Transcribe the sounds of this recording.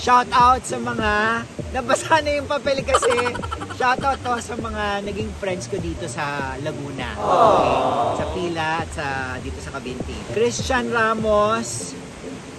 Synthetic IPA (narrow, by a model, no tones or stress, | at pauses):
ʃawt̪awt̪̚sɐmɐŋanɐbɐsanɐjʊŋpɐpɛlɪkɐsɛʃawt̪awt̪̚ːosɐmɐŋanɐɡɪŋfɾɛnd̪skod̪iːt̪osɐlɐɡuːnɐ̰o | sɐpiːlɐʔɐt̪̚sɐd̪iːt̪o̞sɐkɐbint̪ḭkɾist͡ʃɐnɾaːmos